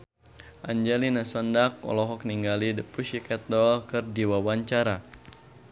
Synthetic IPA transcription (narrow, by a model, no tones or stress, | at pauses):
ʔaɲd͡ʒɛlinasɔndakɔ̰lɔɦɔk̚niŋɡalidəpuʃikɛt̪̚dɔlkɨrdiwawaɲt͡ʃaɾa